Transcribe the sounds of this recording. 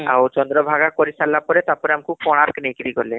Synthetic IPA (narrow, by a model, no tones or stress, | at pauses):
a̰wt͡ʃɔnd̪ɾɔbʱaɡapɔɾisalːapɔɾet̪aɾpɔɾeamikʰub̚pɔɽ̃aɾknekɾikɔɾle